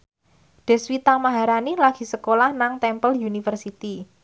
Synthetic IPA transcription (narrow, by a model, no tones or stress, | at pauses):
ɖ̥ɛ̤swit̪amaɦaɾanilaɡ̥i̤səkolahnaŋt̪ɛmpəljunifərsit̪i